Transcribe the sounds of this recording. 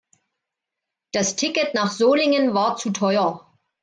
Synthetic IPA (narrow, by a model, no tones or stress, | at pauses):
d̥astʰɪkətnaːχz̥oːlɪŋənvaːɐt͡sutʰɔʏɐ